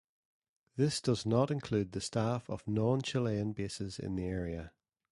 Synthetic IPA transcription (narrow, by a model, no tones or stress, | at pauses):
ðɪsd̥ʌznəʔɪ̃nkʰl̥ʉd̪̚ðəstafəvnɔ̃nt͡ʃʰɪlˠeə̃nbesɪzɪ̰̃nðieɛɹiə